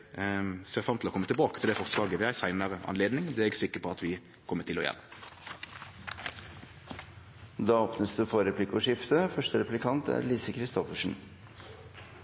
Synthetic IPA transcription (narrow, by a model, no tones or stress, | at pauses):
seːʁfɾɑmt̪ʰɪlɔkɔmːət̪ɪɛlbɑːkət̪ʰɪld̪ɛfɔʁslɑːɡəʋɪæɪsæɪnəʁɑ̰nleːd̪nɪŋd̪ɛɛɡsɪkːəpʰɔɑt̪ʋɪ | kʰɔmːət̪ʰɪlɔjɛ̰lː | d̪ɑːɔːpnəsd̪ʉːfɔɾɛpʰlɪkɔʂɪft̪əfœʂʈəɾɛpʉlɪkʰɑnt̪ʰæ̰ɾliːsəkʰɾɪst̪ɔfəʂɳ̩